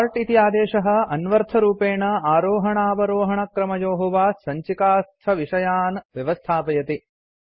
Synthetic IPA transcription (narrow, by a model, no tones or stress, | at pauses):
ɾʈit̪ijaːd̪eːʂɐɦɐ̆ɐnʋɐɾt̪ʰɐɾuːpeːɳɐaːɾoːɦɐɳaːʋɐɾoːɦɐɳɐkɾɐmɐjoːɦɐʋaːsɐɲt͡ʃikaːst̪ʰɐʋiʂɐjaːnʋjɐʋɐst̪ʰaːpɐjɐt̪i